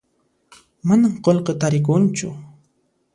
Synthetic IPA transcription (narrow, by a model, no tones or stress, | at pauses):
manamqolqet̪aɾɪk̬ʊnt͡ʃʊ̰